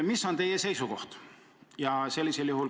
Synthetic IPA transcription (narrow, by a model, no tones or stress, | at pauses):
misːo̞nt̪e̞jese̞jsuko̞ht̪ | jɑse̞lːiseljuɦul